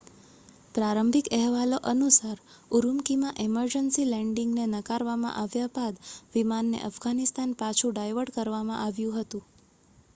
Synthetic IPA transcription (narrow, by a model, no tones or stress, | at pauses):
pɾaɾəmbʱikɛɦʋaloʔənusaɾuɾumkimãʔeməɾd͡ʒənsilɛ̃ɳɖiŋɡnenəkaɾʋamã̰ʔaʋjabad̪ʋimanːḛʔəfɡanist̪anpat͡ʃʰũɖajʋəɖkəɾʋamã̰ʔaʋjũɦət̪ũ